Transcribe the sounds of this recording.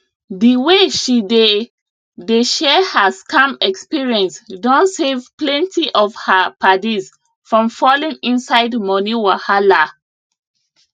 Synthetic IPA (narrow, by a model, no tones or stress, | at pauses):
diweʃide | deʃɛhaskʰãmɛkspiɹiɛ̃nsdɔ̃nsevplɛ̃ntiʔɔvhapʰadiz | fɹɔ̃mfɔlĩŋĩnsaɪdmɔniwahala